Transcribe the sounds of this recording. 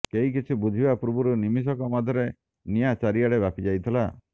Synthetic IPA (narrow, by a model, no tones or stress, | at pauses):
keɦik̬it͡ʃʰibud͡ʒʱibapɾubuɾunimis̬ɔkɔmad̪ʱɔɾe | nijat͡ʃaɾiaɽebapid͡ʒajt̪ʰila